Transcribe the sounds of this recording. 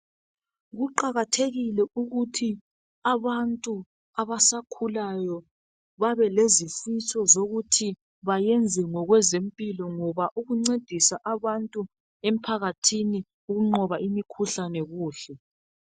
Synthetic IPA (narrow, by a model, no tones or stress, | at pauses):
ɣuǃaɣatʰeɣilɛuɣutʰi | aβantʼu | aβasakʰulajɔ | βaβɛlezifisɔzoɣutʰi | βajɛnd͡zʱɛŋɔɣwɛzempʼilɔŋɔβaʔuɣuŋ͡ǀed̥ʱisaʔaβantʼu | em̩pʰaɣatʰini | uɣuŋ͡ǃɔβaʔimikʰuɬanɛɣuːɬɛ